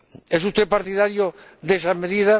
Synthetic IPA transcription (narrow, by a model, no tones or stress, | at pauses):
esust̪epaɾt̪iðaɾjoðesameðiða